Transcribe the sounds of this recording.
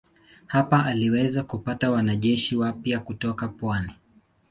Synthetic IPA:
hapaʔaliwɛzakupatawanaʄɛʃiwapjakutɔkapwani

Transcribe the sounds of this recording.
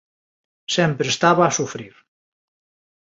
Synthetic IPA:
sɛmpɾest̪aβaːsufɾiɾ

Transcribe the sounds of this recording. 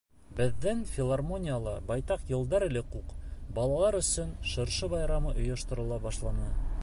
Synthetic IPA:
bɘ̆ðːænfʲɪlˠarmo̞nʲɪjalˠɑbɑjt̪ɑqjɤ̆lˠd̪ɑɾɘ̆lɘquqbɑlˠɑlˠɑɾɵ̆sɵnʃɤ̆ɾʃɤβɑjɾɑmɤʔŏjɤ̆ʃt̪ɤ̆ɾɤ̆lˠɑbɑʃlˠɑnɤ

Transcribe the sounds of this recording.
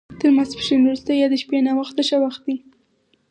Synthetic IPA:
t̪əɾmaspə̥ʃenɾust̪əjjɑd̪əʃpenawaxt̪əʃawaxt̪̚d̪i

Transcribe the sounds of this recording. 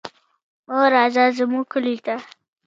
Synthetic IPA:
oɾɑzazəmukʊlit̪a

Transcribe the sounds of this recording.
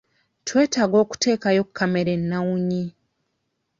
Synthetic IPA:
twe̞ːtaɡo̞ːku̥te̞ːkajokkʰːameɾenːawuɲi

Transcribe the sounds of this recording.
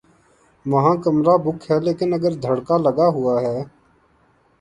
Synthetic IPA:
məɦãːkəmɾaːbʊkɦɛːleːkɪnəɡəɾd̪ʱəɽkaːləɡaːɦʊaːɦɛː

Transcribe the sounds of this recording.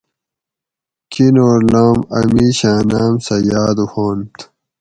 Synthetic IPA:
kinoːɾloːmɐ̰miɕaːnaːmsɐjaːd̪uhoːnt̪ʰ

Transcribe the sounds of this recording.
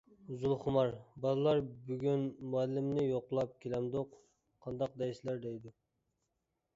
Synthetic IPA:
zulˠχʊmɑɾbɑlˠɨlˠɑɾbyɡʲynmuælːɪmnɪjoqlˠɑp̚kʲʰelɛmd̪oq | qʰɑnd̪ɑq̚d̪ɛjslæɾd̪ɛjd̪u

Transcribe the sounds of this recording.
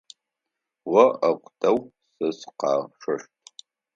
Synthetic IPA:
wɐɐqʷʼtʰɐw | sɨsqɑ̰ːʂɐʂtʼ

